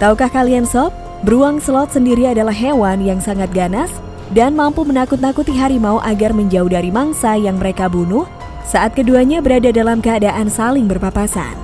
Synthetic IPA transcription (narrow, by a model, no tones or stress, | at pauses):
t̪aukahkaliansɔp̚ | bəɾuaŋslɔt̪̚səndiɾiadalahɦewanjaŋsaŋat̪̚ɡanas | danmampumənakʊt̪̚nakut̪iɦaɾimauʔaɡarməɲd͡ʒaudaɾimaŋsajaŋməɾekabunʊh | saʔat̪̚kəduaɲabəɾadadalamkəadaʔansalɪŋbərpapasa̰n